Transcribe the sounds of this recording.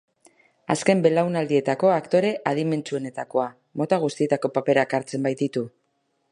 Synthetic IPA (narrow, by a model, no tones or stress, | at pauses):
a̰ske̞mbe̞lawnald̪ie̞t̪ako̞akt̪o̞ɾe̞ʔað̞ime̞nt͡sue̞ne̞t̪ako̞a | mo̞t̪aɣ̞ust̪ie̞t̪ako̞pape̞ɾakaɾt͡se̞mbajt̪it̪u